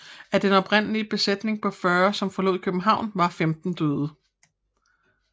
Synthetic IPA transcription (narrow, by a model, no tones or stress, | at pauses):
æd̥enɒ̽pʁen̰əliəb̥e̝sed̥ne̝ŋpʰɒ̽fɶːɐsɒ̽mfɒ̽lo̝̰ð̰ˠkʰøb̥m̩ɦɑ̈ʊ̰nʋɑ̈femd̥n̩d̥øːðˠə